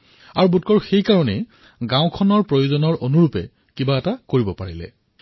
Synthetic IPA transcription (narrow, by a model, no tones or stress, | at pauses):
aɹubutkɔɹxejkaɹɔnɛ̰ | ɡãʊ̃kʰɔnɔɹpɹojozɔnɔɹʔonuɹupɛ̰ | kibaɛtakoɹibɔpaɹilɛ̰